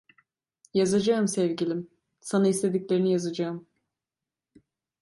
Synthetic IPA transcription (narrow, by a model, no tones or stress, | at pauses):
jazad͡ʒaɯmsɛvɟilʲim | sanaist̪ʰe̞d̪iclʲe̞ɾinijazad͡ʒaɯm